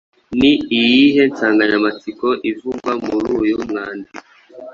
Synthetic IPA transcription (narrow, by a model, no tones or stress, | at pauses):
niːjiɦe̞nt͡saːŋɡaɲamat͡siko̞ʔivuɡwamuɾuːjumŋaːndi